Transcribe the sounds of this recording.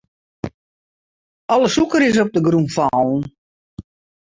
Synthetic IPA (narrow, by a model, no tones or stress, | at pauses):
ɔləsukəɾɪs̬ɔp̚dəɡrumfɔːlˠn̩